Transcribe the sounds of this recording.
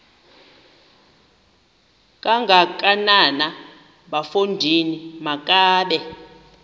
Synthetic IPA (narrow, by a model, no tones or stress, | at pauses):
kʼaŋɡʱak̬ʼanana | ɓafundʱinimakʼaːɓɛ